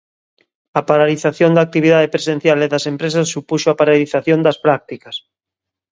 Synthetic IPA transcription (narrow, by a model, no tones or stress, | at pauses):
ɐpaɾaliθaθjond̪aːk̚t̪iβ̞iðaðepɾesen̟θjaleðɐsempɾes̬asːupuʃoapaɾaliθaθjond̪ɐspɾak̚t̪ikɐs